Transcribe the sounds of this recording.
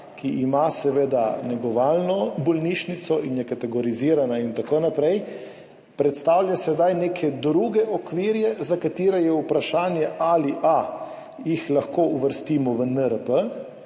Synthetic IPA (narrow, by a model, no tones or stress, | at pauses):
kʰiʔːmasɛʋeːd̪anɛɡɔʋaːlnɔbɔlniʃnit̪sɔinjɛkat̪ɛɡɔɾiziːɾanaint̪akoːnapɾɛj | pɾɛt̪st̪awlʲjasɛd̪ajneːkʰɛd̪ɾuɡɛɔkʋiːɾjɛzakat̪iːɾɛjɛupɾaʃaːnjɛʔaliʔa | jixlaxkouʋəɾst̪iːmɔʋənəɾəpə